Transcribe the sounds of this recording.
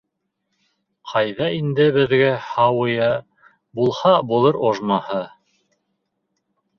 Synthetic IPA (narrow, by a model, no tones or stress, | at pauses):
qʰɑjðɑind̪ɘβɘ̆ðɡæhɑwɤ̆jɑ | bulˠhɑbulˠɤɾoʒmɑhɤ